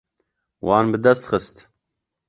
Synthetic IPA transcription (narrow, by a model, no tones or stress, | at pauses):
wɑːnbɨd̪ɐst̪xɨst̪